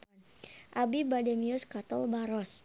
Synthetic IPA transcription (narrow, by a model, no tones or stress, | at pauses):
ʔabibadɛmiʊskat̪ɔlbaɾɔs